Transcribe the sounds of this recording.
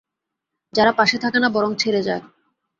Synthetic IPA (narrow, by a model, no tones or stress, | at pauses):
d͡ʑaɾapaʃet̪ʰakanabɔɾoŋt͡ɕʰeɾed͡ʑae